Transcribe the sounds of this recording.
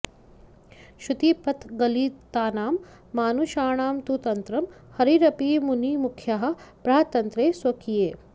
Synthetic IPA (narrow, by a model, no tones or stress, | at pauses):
ʃut̪ipɐt̪ɡɐliːt̪aːnaːmː | aːnuʃaːɳaːmt̪ut̪ɐnt̪ɾɐm | hɐɾiɾɐpiːmunimukʰjaɦɐ̆pɾɐɦɐt̪ɐnt̪ɾeːswɐkʰijeː